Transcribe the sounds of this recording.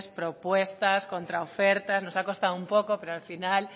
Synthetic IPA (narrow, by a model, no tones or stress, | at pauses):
spɾopwest̪askont̪ɾaofeɾt̪aznosakost̪aðumpokopeɾoalfinal